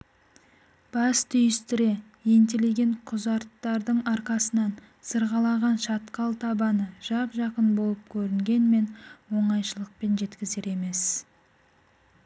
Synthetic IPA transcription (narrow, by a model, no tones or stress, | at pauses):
b̥ɑst̪ʰʏjɪst̪ɪɾe̞ | je̞nt̪ele̞ɡʲe̞ɴqʰʊzɑɾt̪ːɑɾd̪əɴɑɾqɑsənɑn | səɾʁɑlˠɑʁɑnʃɑt̪qɑlˠt̪ʰɑbɑnəʒ̥ɑpʒɑqənbo̞lˠəp̚kʲʰɵɾɪŋɡʲe̞nme̞nwo̞ɴɑjʃəlˠəq̚pe̞nʒe̞t̪kʲɪze̞ɾe̞me̞s